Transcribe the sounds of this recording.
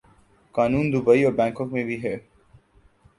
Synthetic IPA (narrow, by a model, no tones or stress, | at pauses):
kaːnuːnd̪ʊbəiɔːɾbɛ̃ːŋkɔkmẽbʱiɦɛː